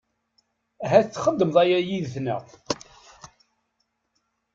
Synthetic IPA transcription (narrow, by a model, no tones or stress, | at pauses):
æɦæθt͡sːχəd̪ːəməðˤæjæjiðθnə̰